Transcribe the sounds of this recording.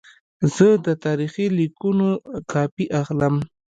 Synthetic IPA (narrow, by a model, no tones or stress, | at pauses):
z̥əd̪ət̪ɑɾiχilikunokɑpiʔaxləm